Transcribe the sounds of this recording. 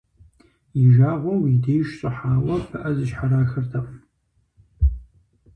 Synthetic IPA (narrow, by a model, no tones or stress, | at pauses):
iʒaːʁʷowideːjʃɕʼɨħaːwɐpʰɨʔɐzɨʃħaɾaːxɨrtʰɐqʼ